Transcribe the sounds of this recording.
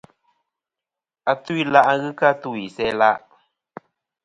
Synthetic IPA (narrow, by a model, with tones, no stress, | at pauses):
a˧t̪u˦i˦la˦ʔa˦ɣɨ˦ka˦t̪u˦˨i˨sɛ˦la˦ʔ